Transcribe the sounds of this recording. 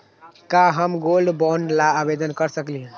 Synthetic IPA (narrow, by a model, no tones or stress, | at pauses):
kaɦəmɡolɖbɔnlaːbed̪ənkəɾsəkliɦɛ̃